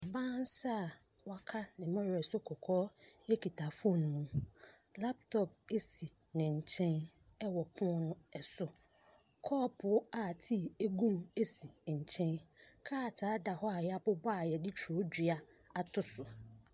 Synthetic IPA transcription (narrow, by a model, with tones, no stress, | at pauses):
bãː˦n˦sa˦˨ | wa˦kʰa˦nɪ̃˨mɔ̃˦ɾɛ˨sʊ˦kʰɔ˨kʰɔː˦e˦kʰi˨tʰa˨fõ˦˨ñ˨mũ˦ | la˦p̚tʰɔ˨p̚e˦si˨ | nɪ̃˨ɲ̩˨t͡ɕʰɛ̃˦n | ɛ˦wɔ˨pʰʊ̃˦nʊ̃˦ɛ˨sʊ˦ | kʰɔː˦pʰʊ˨˦a˨tʰi˦˨e˦ɡũ˦me˦si˨ɲ̩˨t͡ɕʰɛ̃˦nkʰaː˦˨tʰaː˨˦da˨hɔ˦a˨ja˦˨bʊ˦baː˦˨jɛ˨dɪ˦t͡ɕʰu˨o˦dᶣɥa˦ | a˨tʰʊ˦sʊ˨